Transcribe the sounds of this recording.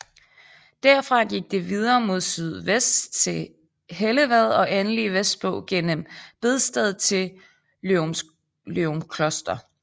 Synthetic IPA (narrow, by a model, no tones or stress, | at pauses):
d̥æɐ̰fʁɑ̈ɡ̥iɡ̥̚d̥eʋið̞ˠɐːmo̝ð̞̰ˠsyð̰ˠʋesd̥t͡sʰe̝ | ɦeləʋæð̞ˠɒ̽ʔenliʋesd̥̚b̥ɔ̽ʊ̰ɡ̥en̰əmb̥e̝ð̞ˠsd̥ɛð̞ˠt͡sʰe̝ | leomkʰlɒsd̥ɐ